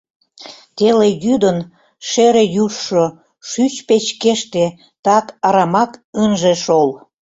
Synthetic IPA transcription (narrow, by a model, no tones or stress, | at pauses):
t̪elejyd̪ən | ʃeɾejuʃːo | ʃyt͡ɕpet͡ɕkeʃt̪e | t̪ɑkɑɾɑmɑkənʒeʃol